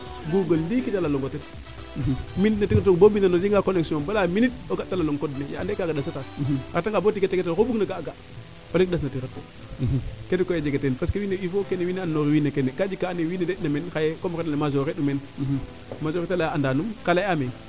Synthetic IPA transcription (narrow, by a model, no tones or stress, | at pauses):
ɡuɡalːikitalaloŋɡotet̩ | minnatikt̬okbobinanod͡ʒiŋɡakoneksobalaminit̚oɡatːalaloŋkodnejaandekaɡadasatat̩kataŋɡabotiketːeketelkobuɡnaɡaɡa | olek̚das̬natiɾatːo | ketikojed͡ʒeɡetenpaskewineifokenːewineanːoɾiwinekenekad͡ʒikanewinedenamenxajekomɾetalemazoɾeɗumen | mazoɾetalaandanumkalajame